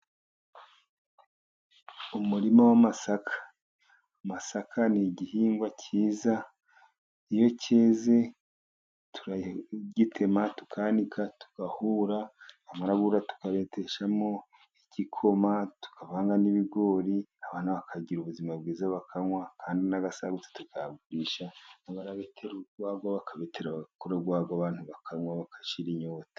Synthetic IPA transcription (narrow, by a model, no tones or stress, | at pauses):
umuɾimowamasakʰḁː | masakʰaniɟihiːŋɡwacʰiːza | ijo̞cʰeːze̞ | tʰuɾaɟitʰe̞matu̥kʰanikʰatu̥kahuɾaamaɾaɡuɾatu̥kaβetʰeʃamo̞ | icikʰo̞matu̥kʰaβaːŋɡaniβiɡo̞ːɾiaβaːn̥haβakʰaɟiɾuβuzimab̚ɡiːzaβakʰaŋwakʰaːndinaɡasaɡutu̥tukaɡuɾiʃanaβaɾaβetʰeɾuɡwaːɡoβakʰaβeteɾaɡakoɾaɡwaːɡoaβaːn̥huβakʰaŋwaβakḁʃiɾiɲoːtḁ